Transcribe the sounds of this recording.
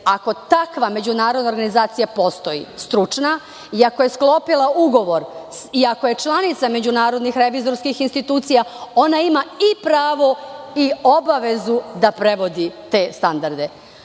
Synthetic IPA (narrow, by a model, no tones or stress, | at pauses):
ako̞t̪akʋame̞d͡ʑunaːɾo̞d̪naoɾɡanizaːt̪sijapo̞st̪o̞jḭst̪ɾut͡ʂna | iako̞je̞sklo̞pilˠauɡo̞ʋo̞ɾiako̞je̞t͡ʃlˠanit̪same̞d͡ʑunaːɾo̞d̪nixɾe̞ʋizo̞ɾskixinst̪it̪uːt̪sijao̞naimaipɾaːʋo̞io̞baʋe̞zud̪apɾe̞ʋo̞d̪it̪e̞ːst̪and̪aɾd̪e̞